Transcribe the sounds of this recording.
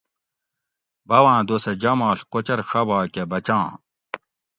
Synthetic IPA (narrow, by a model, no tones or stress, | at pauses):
bɐwãːd̪osed͡ʑɐmaːɬkot͡ɕɐɾxɐbaːkebɐt͡ɕãː